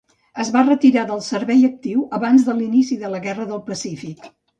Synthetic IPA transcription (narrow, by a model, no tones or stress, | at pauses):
əzβarət̪iɾaðəlˠsəɾβɛjək̚t̪iwəβanzðəlinisiðələɣɛrəðəlˠpəsifik